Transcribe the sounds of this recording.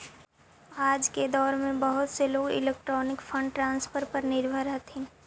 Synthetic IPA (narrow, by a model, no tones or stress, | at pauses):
aːd͡ʒked̪ɔːɾmẽbəɦʊt̪seloːɡɪ̰leːk̚ʈɾɔːnɪkfʰə̃ɳɖʈɾãːnspʰəɾpəɾnɪɾbʱəɾɦət̪ʰẽː